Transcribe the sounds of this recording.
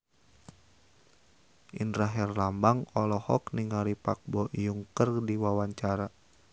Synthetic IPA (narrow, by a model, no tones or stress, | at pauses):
ʔḭnraɦɛrlambaŋɔlɔhɔkniŋaɾipak̚bɔjuŋkərdiwawaɲt͡ʃaɾa